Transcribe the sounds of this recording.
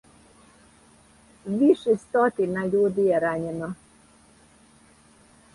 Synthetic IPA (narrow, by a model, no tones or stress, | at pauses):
ʋiʃɛst̪ot̪inaʎuːd̪ijɛɾaɲɛno